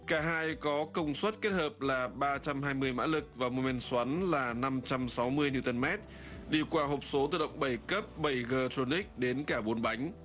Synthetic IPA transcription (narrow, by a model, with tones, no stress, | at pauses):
kaː˧˩ɦaː˧jkɔ˨˦kə˧wŋ͡mswə˦˥t̚ke˦˥t̚həː˨˩p̚laː˨˩ɓaː˧t͡ɕa˧mɦaː˧jmɨ˧əjma̰ː˧˥lɨ˨˩k̚vaː˨˩mo˨˧˩mɛ˧˩nswa˨˦nlaː˨˩na˧mt͡ɕa˧msa˨˦wmɨ˧əjni˧t̪ə˧nmɛ˦˥t̚ | ɗi˧kwaː˧ɦo˨˩p̚so˨˦t̪ɨ˨˧˩ɗə̰˧˨wŋ͡mɓə˧˩jkə˦˥p̚ɓə˧˩jɣəː˧t̪o˧ni˦˥k̚ɗe˨˦nkaː˧˩ɓo˨˩˦nɓa˨˦jŋ̟